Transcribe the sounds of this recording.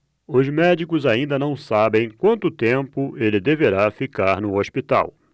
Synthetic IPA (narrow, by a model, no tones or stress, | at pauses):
ʊzmɛd͡ʒikʊzaĩnd̪ɐnɐ̃w̃sabẽj̃kwɐ̃nt̪ʊt̪ẽmpʊelɪd̪eveɾafikaɾnʊospit̪a̰w